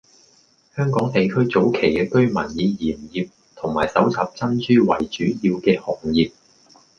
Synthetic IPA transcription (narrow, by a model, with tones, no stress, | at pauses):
hœː˥ŋkɔː˨˥ŋt̪e˨jkʰɵ˥ɥt͡so˨˥wkʰe˨˩jkɛː˧kɵ˥ɥmɐ̰˨˩njiː˨˧jiː˨˩mjiː˨p̚ | t̪ʰʊ˨˩ŋmaː˨˩jsɐ˨˥wt͡sʰɐ˨p̚t͡sɐ˥nt͡ʃyː˥wɐ˨˩jt͡ʃyː˨˥jiː˧wkɛː˧hɔ˨˩ŋjiː˨p̚